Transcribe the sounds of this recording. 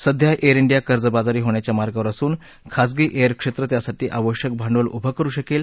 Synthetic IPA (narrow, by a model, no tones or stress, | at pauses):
səd̪ʱjaʔeɾiɳɖijakəɾd͡zəbad͡zaɾiːɦoɳjat͡ɕjamaɾɡaʋəɾasuːn | kʰas̬ɡiːʔeəɾkʂet̪ɾət̪jasaʈiːʔaʋəɕjək̚bʱaɳɖʋəlubʱakəɾuːɕəkel